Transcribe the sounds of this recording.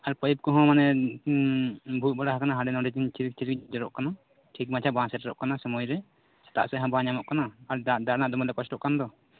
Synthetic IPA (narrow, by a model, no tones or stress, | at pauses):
aɾpəjip̚kɔɦɔ̃manɛ | bʱut̪̚baɽaɦakanaɦaɖɛnɔ̃ɖɛd͡ʒint͡ʃiɾik̚t͡ʃiɾikd͡ʒɔɾɔ̰ʔkana | ʈʰik̚mat͡ʃʰabãsɛɾɛɾɔʔkanasəmɔjɾɛ | sɛ̥t̪a̰ʔsɛɦãbãɲamɔʔkanaːɾd̪aɾnaʔd̪ɔmɔd̪ɛkɔt͡ʃʈɔʔkand̪ɔ